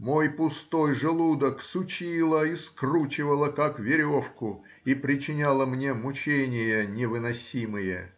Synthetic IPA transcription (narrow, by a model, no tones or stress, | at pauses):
mo̞jpʊst̪o̞jʐɨlˠud̪əksʊt͡ɕilˠəiskrut͡ɕɪvəlˠəkakvʲɪɾʲo̞fkʊ | ipɾʲɪt͡ɕɪnʲalˠəmnʲemʊt͡ɕenʲɪjənʲɪvɨnɐsʲimɨjə̰